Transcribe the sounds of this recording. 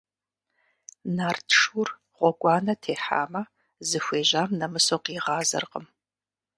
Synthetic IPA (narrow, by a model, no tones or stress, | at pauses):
naːrtʰʂur | ʁʷɔɡʷɑːnɐtʰeːħa̰ːmɐ | zɨxʷeːʑaːmnɐmɨsoqiːʁɑːzɐ̰rqəm